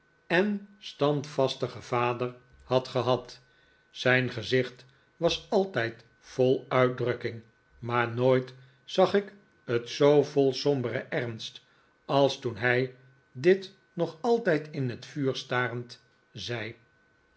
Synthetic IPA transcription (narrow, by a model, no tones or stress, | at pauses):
ɛnstɑntfɑstəχəv̥aːdəɹ | hɑtχəɦɑt | sɛjnχəzɪχt | ʋɑsɑlˠtɛjt | folˠœɥt̚drɵkɪŋ | maːɹnoːjt | sɑχɪk | ətsowvɔlˠsɔmbərəʔɛrnst | ɑlˠstunɦɛj | dɪt | nɔχɑlˠtɛjtʰɪnɦətfyːɹstaːrənt | zɛj